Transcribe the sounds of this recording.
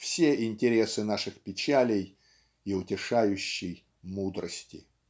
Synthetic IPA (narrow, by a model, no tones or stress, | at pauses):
fsʲeʔɪnʲtʲɪɾʲe̞sɨnaʂɨxpʲɪt͡ɕælʲɪj | ɪʊtʲɪʂajʊɕːɪj | mud̪ɾəsʲtʲɪ̰